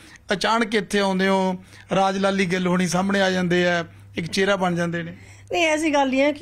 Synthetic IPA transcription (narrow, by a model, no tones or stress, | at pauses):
ət͡ʃaːnəkɪt̪ʰːeːãːnd̪eːɦõː | ɾaːd͡ʒlaːliːɡəlɦoːɽ̃ĩːsaːməɳeːaːd͡ʒãːnd̪eːɛː | ɪkt͡ʃeːɾaːbəɳd͡ʒãːnd̪eːneː | neĩɛːsiːɡəld̪ɪiːãːk